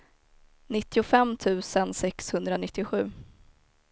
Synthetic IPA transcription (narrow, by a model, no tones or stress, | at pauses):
nɪt̪ːɪʊfɛmːt̪ʰʉ̟ːsənsɛkshɵnd̪ɾanɪt̪ːɪɧʉ̟ː